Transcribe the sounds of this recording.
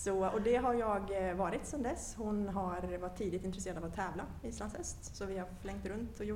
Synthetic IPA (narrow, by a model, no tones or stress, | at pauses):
sɔɔd̪ɛɦaɾjɑːɡvɑːɾɪt̪sɛmd̪ɛshʊnɦaɾvaʈ̪t̪ʰːiːd̪ɪt̪ɪnt̪ɾɛseːɾad̪avɔt̪ʰɛːvlaɪslanshɛst̪sɔvɪhaɾflɛŋkt̪ɾɵnt̪ʰɔjʊ